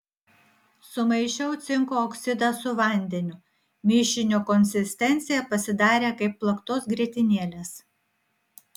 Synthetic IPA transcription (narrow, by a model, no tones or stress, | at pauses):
sʊmɐɪʃʲɛʊt̪sʲɪŋkoːɔksʲɪd̪ɑsʊʋɐˑnʲd̪ʲɛnʲʊ | mʲɪʃʲɪnʲoːkɔnʲsʲɪsʲt̪ʲɛnʲˑt̪sʲɪjɛpɐsʲɪd̪ɑːɾʲeːkɐɪpːlˠɐkt̪oːsɡɾʲiɛt̪ʲɪnʲeːlʲeːs